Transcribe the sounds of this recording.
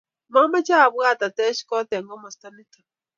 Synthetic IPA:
ma˦ma˦t͡ʃa˦˨βu˦a˦˨t̪a˨t̪ɛ˦ʃi̥˦kɔ˦t̪a˨ŋɡɔ˦mɔ˨st̪a˦ni˦t̪ʰa˨

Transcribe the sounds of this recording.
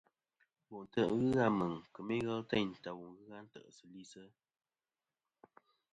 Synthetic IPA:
wu˨ʔn̩˨tə˦˨ʔɣɨ˦ɣa˦˨mə˨ŋkə˨mi˦ɣɛ˦ltɛ˦˨n̩˨ta˨wu˨ŋɣɨ˦ɣa˦n̩˦tə̰˦˨ʔsɨ˨li˦sə˦

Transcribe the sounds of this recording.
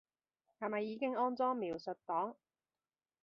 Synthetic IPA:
hɐ˨˩mɐ˨jːiː˨˧kɪ˥ŋɔː˥nt͡sɔː˥ŋmiː˨˩wsɵ˨t̚t̪ɔː˨˥ŋ

